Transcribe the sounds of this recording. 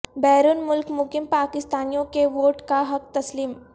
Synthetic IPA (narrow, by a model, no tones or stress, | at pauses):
bɛːɾuːnmʊlkmʊkimpakɪst̪aːnijõkeʋoːʈkaɦɐk̚t̪ɐsliːm